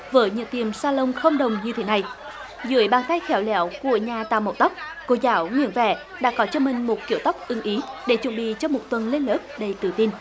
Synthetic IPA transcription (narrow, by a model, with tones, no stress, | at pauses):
vəː˨˦jɲɨ̰˧˥ŋt̪i˨˩əmsaː˧lə˧wŋ͡mxə˧wŋ͡mɗə˨˩wŋ͡mɲɨ˧t̪ʰe˨˦na˨˩j | zɨ̰˧˨əjɓaː˨˩ŋt̪a˧jxɛ˧˩wlɛ̰˧˩˦wku˧˩əɲaː˨˩t̪aː˨˩mə̰˨˧˩w̚t̪a˦˥wk͡p̚ko˨˦zaː˧˦wŋwḭ˧˥ənvɛ̰˧˩ | ɗa̰ː˧˥kɔ˨˦t͡ɕɔ˧mï˨˩ŋ̟mo˨˩t̚ki˧˩əwt̪a˦˥k͡p̚ʔɨ˨˦ŋʔi˨˦ɗe˧˩t͡ɕwə̰˧˨nɓḭ˧˨t͡ɕɔ˧mo˨˩t̚t̪wə˨˩nle˧nləː˦˥p̚ɗə˧jt̪ɨ˨˩t̪i˧n